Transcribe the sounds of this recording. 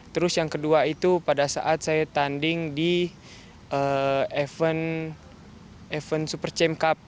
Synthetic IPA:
t̪əɾʊsjaŋkəduait̪upadasa̰ʔat̪̚sajat̪andɪŋdi | ʔəɛfən | ɛfənsupərt͡ʃɛmkap̚

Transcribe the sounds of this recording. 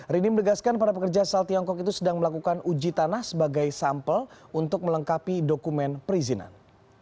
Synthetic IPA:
ɾinimənəɡaskanpaɾapəkərd͡ʒasalt̪iɔŋkɔkit̪usədaŋməlakukanud͡ʒit̪anahsəbaɡajsampəlunt̪ʊk̚mələŋkapidokumɛnpəɾizina̰n

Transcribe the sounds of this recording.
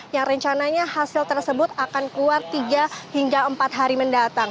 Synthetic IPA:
jaŋrəɲt͡ʃanaɲahasɪlt̪ərsəbʊt̪akankluat̪ːiɡahiŋɡaəmpat̪̚ɦaɾiməndat̪aŋ

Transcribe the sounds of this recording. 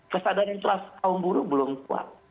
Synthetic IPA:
kəsadaɾant̪uast̪aʊmbuɾubəlʊmkua̰t̚

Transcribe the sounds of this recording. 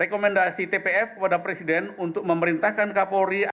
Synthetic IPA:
ekomɛndasit̪epeɛfkəpadapɾesidɛnunt̪ʊk̚məməɾint̪ahkankapoɾi

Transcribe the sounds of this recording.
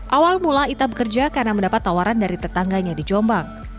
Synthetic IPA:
ʔawalmulait̪abəkərd͡ʒakarnaməndapat̪ːawaɾandaɾit̪ət̪aŋɡaɲadid͡ʒɔmbaŋ

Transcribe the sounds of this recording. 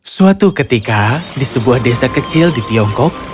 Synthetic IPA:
suat̪ukət̪ikadisəbuahdesakət͡ʃɪldit̪iɔŋkɔk̚

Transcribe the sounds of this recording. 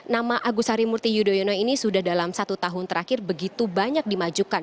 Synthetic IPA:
namaʔaɡusaɾimurt̪ijudojɔnɔinisudahdalamsat̪ut̪aɦʊnt̪əɾakɪrbəɡit̪ubaɲak̚dimad͡ʒukan

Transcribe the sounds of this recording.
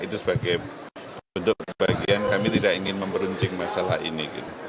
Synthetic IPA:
it̪usəbaɡaj | unt̪ʊk̚əbaɡiankamit̪idakiŋɪnməmpəɾuɲt͡ʃɪŋmasala̰hḭnikḭt̪u

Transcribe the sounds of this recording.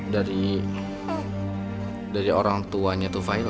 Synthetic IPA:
daɾi | daɾioɾaŋt̪uaɲat̪ufail

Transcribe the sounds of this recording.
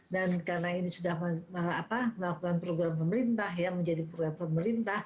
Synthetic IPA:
dankarənainisudahmamaɾaapaməlakukanpɾoɡɾampəməɾint̪aɦjaməɲd͡ʒadipɾoɡɾampəməɾint̪ah

